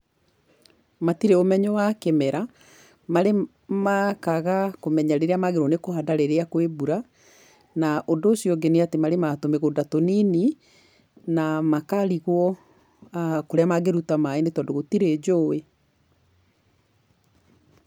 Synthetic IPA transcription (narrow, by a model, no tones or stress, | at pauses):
matiɾeomɛɲɔwakɛmɛɾa | maɾe | makaɣakomɛɲaɾeɾeamaɣeɾoɔnekohadaɾeɾeakowebuɾa | naʔondoːsjɔɡeneatemaɾematomeɣodatonini | namakaɾiɣwɔ | koɾeamaɡeɾutamaenetɔndoɣotiɾed͡ʑoe